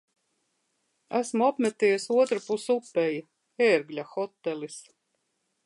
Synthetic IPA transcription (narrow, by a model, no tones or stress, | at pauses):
æsmuapmæt̪ijsuɔt̪ɾupusupːɛji | eːɾɡlʲaxɔt̪ːɛlis